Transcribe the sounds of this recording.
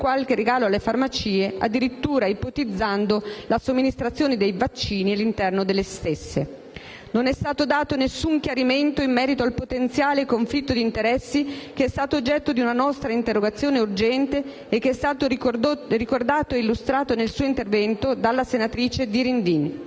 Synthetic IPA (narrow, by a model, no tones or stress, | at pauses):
kwalkereɡaːloalːefarmat͡ʃiːea̰d̪ːiɾit̪ːuːɾaipot̪id̪zːand̪olasomːinist̪ɾat̪sːjoːned̪ejvat͡ʃːiːnialːint̪ɛrnod̪elːest̪esːe | nonɛst̪aːt̪od̪aːt̪onesːuŋk̟jaɾiment̪oimːɛːɾit̪oalpot̪ent̪sjaːlekoɱflit̪ːod̪int̪eɾɛsːikeɛst̪aːt̪oːd͡ʒːɛt̪ːod̪iunanɔst̪ɾaint̪erːoɡat̪sːjoːneurd͡ʒɛnt̪eː | k̟ːeɛst̪aːt̪orikord̪aːt̪oeilːust̪ɾaːt̪onelsuːoint̪ervɛnt̪od̪alːasenat̪ɾiːt͡ʃed̪iɾind̪iːn